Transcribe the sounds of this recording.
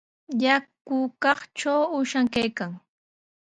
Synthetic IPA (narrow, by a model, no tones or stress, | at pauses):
jakʊkɑχt͡ʃawʊʃaŋkajkaŋ